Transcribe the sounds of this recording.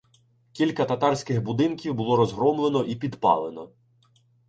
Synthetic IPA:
kʲilʲkɐt̪ɐt̪ɑrsʲkɪxbʊd̪ɪnkʲiwbʊlˠɔɾɔzɦɾɔmlˠenɔʔipʲid̪pɑ̰lˠenɔ

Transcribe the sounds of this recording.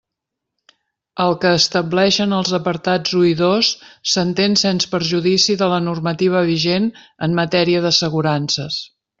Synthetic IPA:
əlˠkəːst̪əblɛʃənəlˠzəpəɾt̪ad͡zuiðosːənt̪ensenspəɾʒuðisiðələnurmət̪iβ̞əβ̞iʒenəmːət̪ɛɾiəðəsəɣuɾansəs

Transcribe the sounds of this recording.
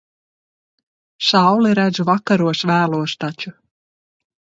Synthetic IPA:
ʃawliɾæd̪zuvakːaɾuɔsvæːlˠuɔst̪at͡ʃu

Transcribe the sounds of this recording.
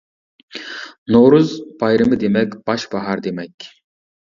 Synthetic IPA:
noɾuzbɑjɾɨmɨd̪emɛkʲb̥ɑʃbɑɦɑɾd̪emɛkʲ

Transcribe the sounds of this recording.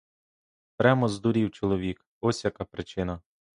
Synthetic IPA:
pɾʲamɔzd̪ʊɾʲiwt͡ʃɔlˠɔʋʲik | ɔsʲjɐkapɾɪt͡ʃɪnɐ

